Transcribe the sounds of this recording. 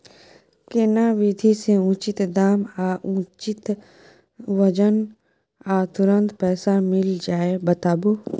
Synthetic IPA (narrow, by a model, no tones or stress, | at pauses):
kenaʋɪd̪ʱiseũːt͡ʃɪt̪d̪aːmaːʔũːt͡ʃɪt̪ | ʋəd͡ʒən | at̪ʊɾə̃nt̪pɛːsamɪld͡ʒaːebət̪aːbu